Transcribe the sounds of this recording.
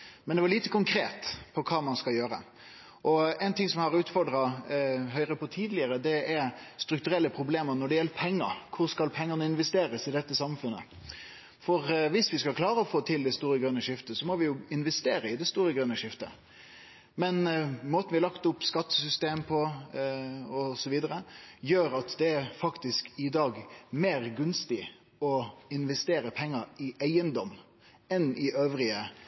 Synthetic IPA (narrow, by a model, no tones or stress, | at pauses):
mɛnd̪ɛʋɑlɭiːt̪əkʊŋkʰɾeːt̪pʰɔkʰɑːmɑnskɑljøːɾə̰ | ʔɔɛɪnt̪ʰɪŋsɔmhɑʁʉːt̪fɔɖʁɑɦœʏʁəpɔt̪ʰiːd̪lɪəɾəd̪ɛɛɾst̪ɾʉkt̪ʉɾɛlːəpʰɾʊbleːməɾnɔɖɛjɛlːəpʰɛŋːəɾkʰʊɾskɑlpʰɛŋːənəɪnʋɛst̪eːɾəsɪd̪ɛt̪ːəsɑmfʉnːə̰ | fɔɾʋɪsʋɪskɑlkʰlɑːɾəɔfoːt̪ʰɪld̪ɛst̪uːɾəɡɾʉnːəʂɪft̪əsɔmɔʋɪjʊɪnʋɛst̪eːɾəɪd̪ɛst̪uːɾəɡɾʉnːəʂɪft̪ə̰ | mɛnmoːt̪n̩ʋɪɑlɑkt̪ʊpːskɑt̪ːə̥sʏst̪eːmpʰɔ | ɔsɔʋiːd̪əɾəjøːɾɑt̪d̪ɛæfɑkt̪ɪskɪd̪ɑːɡmeːɾɡʉnst̪ɪ | ɔɪnʋɛst̪eːɾəpʰɛŋːəɪæɪənd̪ɔm | ɛnɪʔøːʋɾɪə